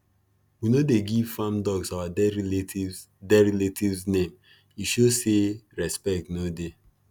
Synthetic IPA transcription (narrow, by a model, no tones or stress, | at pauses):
winodeɡivfãmdɔɡsawai | dɛɹiletivznẽm | iʃoseɹɛspɛk̚tnode